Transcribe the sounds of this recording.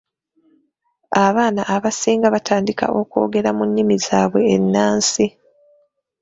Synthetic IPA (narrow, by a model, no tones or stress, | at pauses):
aβaːnaʔːβasiːŋɡaβatʰaːndika̰ʔo̞ko̞̰ːɡe̞ɾamunːimizaːβwe̞ːnːaːnsi